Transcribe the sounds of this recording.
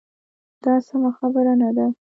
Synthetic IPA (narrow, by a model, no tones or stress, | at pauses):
d̪̥ɑsamaxabəɾanad̪a